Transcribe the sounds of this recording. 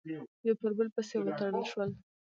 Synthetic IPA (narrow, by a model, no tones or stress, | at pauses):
jawpəɾbəlpəsewət̪aɽəlʃwəl